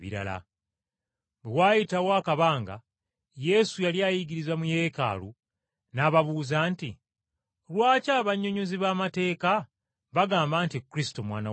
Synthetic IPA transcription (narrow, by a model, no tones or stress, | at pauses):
βḭɾa̰la̰ | βewaːjitawoakaβaːŋɡa̰ | je̞sujaljaːjiɡiɾizamuje̞ːka̰ːlu | naːβaβuːzanti | lwaːcaːβaɲːoɲuziβaːmate̞ːka | βaɡaːmbaːntikːuɾisi̥to̞mwa̰ːna